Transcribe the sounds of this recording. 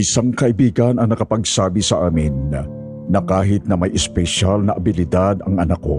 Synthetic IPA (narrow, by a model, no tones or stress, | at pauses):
ʔɪsaŋkɐʔɪbiːɡɐnɐŋnɐkɐpɐɡsaːbisɐʔaːmɪnː | ɐkaːɦɪt̪̚nɐmɐjʔɛspɛʃalnɐʔɐbɪlɪd̪ad̪ɐŋʔɐnakːo̰